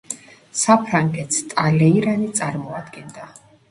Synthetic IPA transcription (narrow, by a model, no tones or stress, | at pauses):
sapʰɾaŋɡɛt̪st̪ʼalɛiɾanit̪sʼaɾmɔad̪ɡɛnd̪a